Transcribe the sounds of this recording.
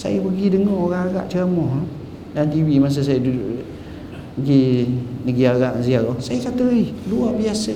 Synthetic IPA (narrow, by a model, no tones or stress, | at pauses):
sa̰jəpəɡidəŋɔoɣaŋaɡa̰ʔt͡ʃəamɔh | dant̪iwimas̬əs̬ajəduduʔ | əɡinəɡiaɡaʔns̬ialɔsajəkat̪əiluaʔbiasə